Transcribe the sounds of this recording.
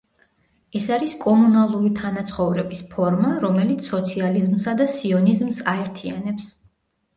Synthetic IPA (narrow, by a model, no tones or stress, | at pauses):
ɛsaɾiskʼɔmunalˠuɾit̪ʰanat̪sʰχɔvɾɛbispʰɔɾmaɾɔmɛlit̪sʰsɔt̪sʰializmsad̪asiɔnizmsaɛɾt̪ʰia̰nɛps